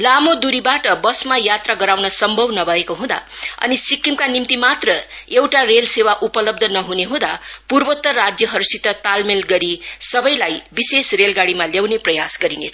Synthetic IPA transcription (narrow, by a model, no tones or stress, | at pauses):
lamod̪uɾibaʈʌbʌsmajat̪raɡʌɾawnʌsʌmbʱʌbnʌbʱʌekoɦũd̪a̰ʌ̰nisikːimkanimt̪imat̪rʌ | ewʈarelsewaʔupʌlʌb̚d̪ʱʌnʌɦuneɦũd̪apurbʌt̪ːʌrad͡zjʌɦʌɾsit̪ːʌt̪almelɡʌɾisʌbʌjlajbisesrelɡaɽimaljawneprʌjasɡʌɾinḛt͡sʰʌ